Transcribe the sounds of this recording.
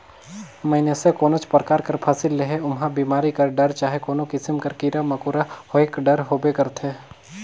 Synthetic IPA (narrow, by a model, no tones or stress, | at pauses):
mɐɪnesekoːnot͡ʃpɾəkaːɾkɐɾpʰaːsɪlːeɦeʊmɦãbiːmaːɾikɐɾɖɐɾt͡ʃaːɦekoːnokɪsɪmkɐɾkiːɾamɐkuːɾahoekɖɐɾɦoːbekɐɾt̪ɦeː